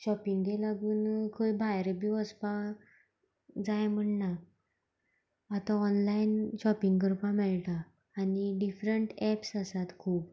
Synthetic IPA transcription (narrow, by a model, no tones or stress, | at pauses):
ɕɔpiŋɡɡ̪elaɡuːnkʰojbʱajɾebiʋəspa | d͡zajm̤əɳna | at̪ãɔnlainɕɔpiŋɡɡəɾpamɛɭʈ̪aː | niɖifɾəɳʈɛpsasat̪kʰuːp